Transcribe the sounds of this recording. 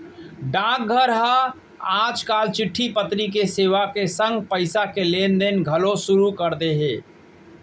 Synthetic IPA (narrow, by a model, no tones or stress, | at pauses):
ɖãːk̚ɡʱəɾɦə | aːd͡ʒkaːlt͡ʃɪʈʰːipət̪ɾik̬eseːʋakesə̃ŋɡpəɪsakeleːnd̪enɡʱəlosʊɾukəɾd̪eɦeː